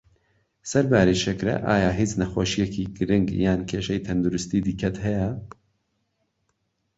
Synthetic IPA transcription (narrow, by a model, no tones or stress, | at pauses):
sɐɾbaːɾiʃɛkɾɛ̰ʔa̰ːjaːɦiːt͡snɐxoːʃijɛkʰiɡɨɾɪŋɡjaːnkʲʰeːʃɛjt̪ʰɐnd̪uɾɪst̪iːd̪ikʰɐt̪hɛjɛ